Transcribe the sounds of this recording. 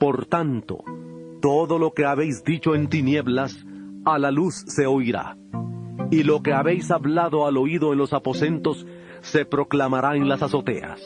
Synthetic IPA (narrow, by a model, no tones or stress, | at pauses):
po̞ɾt̪ant̪o̞̰t̪o̞ðo̞lo̞ke̞aβe̞jzd̪it͡ʃo̞ent̪inje̞βlasalalusːe̞ojɾa̰ | ilo̞ke̞aβe̞jsaβlaðo̞alo̞iðoenlo̞sapo̞se̞nt̪o̞sː | e̞pɾo̞klamaɾaenlasaso̞t̪e̞̰a̰s